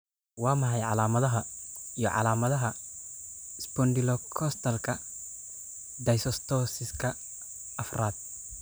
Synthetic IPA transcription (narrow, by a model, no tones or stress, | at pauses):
wɑːmɐħɛjʕɑ̰laːmɐðɐɦɐijɔ̰ʕɑ̰laːmɐðɐɦɐ | ɪsbɔnd̪ɪlɔkʰɔst̪ʰɐlkʰɐ | d̪ɐjsɔst̪ʰɔːsɪskʰɐ | ʔɐfraːd̪̥̚